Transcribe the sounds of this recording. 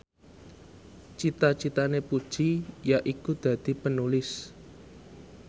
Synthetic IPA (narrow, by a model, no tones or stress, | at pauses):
t͡ʃit̪at͡ʃit̪anepud̥ʒ̥ijaʔikud̪̥ä̤d̪̥i̤pənulɪs